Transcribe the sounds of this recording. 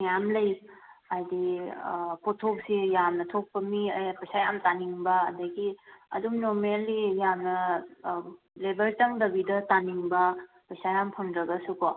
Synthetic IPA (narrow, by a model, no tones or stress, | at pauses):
njamlɐjajdi | pʰotʰop̚sijamnɐtʰok̚pɐmiɐjpɐjsajamtaniŋbɐɐndɐɡiɐ̰dumnoɾmelːijamnɐ | lebʱɐlt͡ʃɐŋdɐbidɐtaniŋbɐ | pɐjsajampʰɐŋdɾɐɡɐsuko